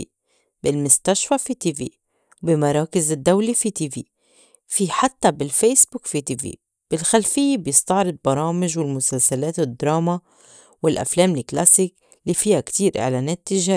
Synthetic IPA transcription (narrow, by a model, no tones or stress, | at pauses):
ḭ | bɪlmʊst̪aʃfafit̪ivḭː | bɪmɑɾˤɑːkɪzɪd̪ːawlifit̪iːviː | fiħat̪ːabɪlfeːsbukfit̪iːvḭː | b̥ɪlxalfɪjːebjɪst̪ɑʕɾɨd̪̚bɑɾˤɑːmɪʒwɪlmʊsalsaleːt̪ɪd̪ːɾˤɑːma | wɪlʔa̰fleːmlɪkla̰sik | lifiːhakt̪iːɾʔɪ̰ʕlaːneːt̪ːɪʒaːɾ